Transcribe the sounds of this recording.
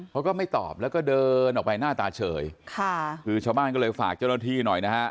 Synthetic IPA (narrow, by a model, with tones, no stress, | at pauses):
pʰɔ˦˥wkɔː˥˩ma˥˩jt̪ɔ̰ː˨˩p̚lɛː˦˥wkɔː˥˩dɤː˧nʔɔː˨˩k̚pa˧jnaː˥˩t̪aː˧t͡ɕʰɤ̰ː˨˩˦jkʰa˥˩kɯː˧t͡ɕʰaː˧wbaː˥˩nkɔ˥˩ɤː˧jfa̰ː˨˩k̚t͡ɕaː˥˩naː˥˩t̪ʰiː˥˩nɔ˨˩jna˦˥kʰa˦˥ʔ